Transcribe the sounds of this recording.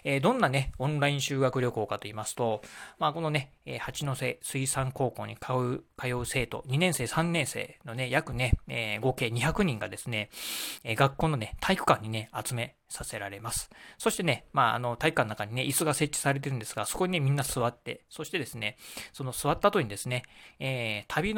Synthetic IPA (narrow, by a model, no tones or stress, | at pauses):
eːd̪õ̞nːane̞õ̞nɾaĩɕɨːɡakɯ̟ɾʲo̞ko̞ːkat̪o̞iːmasɨ̥t̪o̞maːko̞no̞ne̞ | eːhat͡ɕino̞se̞̰ːsɨisãŋko̞ːko̞ːɲ̟ikʰaɯ̟kʰajo̞ːse̞ːt̪o̞̰ɲ̟inẽ̞ɰ̃se̞ːsãnːẽɰ̃se̞̰ːno̞ne̞jakɯ̟ne̞eːɡo̞ke̞ːɲ̟içakɯ̟ɲ̟ĩŋɡa̰d̪e̞sɨne̞eːɡakːoːno̞net̪ʰaikɯ̟̥kãɲ̟ːine̞at͡sɨme̞ | sase̞ɾaɾe̞masɨ̥so̞ɕi̥t̪e̞ne̞maːa̰no̞t̪aikɯ̟kanoakaɲ̟ine̞ʔisɨɡase̞t͡ɕːi̥saɾe̞t̪̬e̞ɾɯ̟nd̪e̞sɨɡaso̞ko̞ɲ̟inemʲĩnːasɨβat̪ːe̞̰so̞ɕi̥t̪e̞d̪e̞sɨne̞so̞no̞sɨβat̪ːat̪o̞ɲ̟id̪e̞sɨne̞eːt̪ʰabʲin